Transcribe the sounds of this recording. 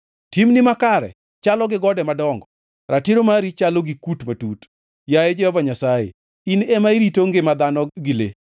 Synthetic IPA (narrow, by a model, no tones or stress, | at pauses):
timnɪmakaɾɛ̰ | t͡ʃalɔɡɪɡɔdɛmadɔŋɡɔ | ɾʔatiɾomaɾit͡ʃaloɡikutmatut | jajed͡ʒɛhɔvaɲasajḛ | inɛmaiɾitoŋɡɪmad̪anɔɡɪlḛ